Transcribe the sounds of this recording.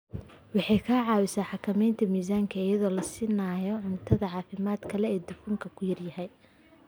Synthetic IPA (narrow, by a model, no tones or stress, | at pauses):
wɑħɑjkʰaːʕɑːwɪsaːħɑkʰɐmɛjnt̪ʰɐmiːsaːŋkʰɐɪjɐðɔːlɐsiːnaːjɔʕʊnt̪ʰɐðɐʕɑːfɪmaːd̪kʰɐlɛɛːd̪ʊfuːŋkʰɐkʰʊjɐrjɐhɛj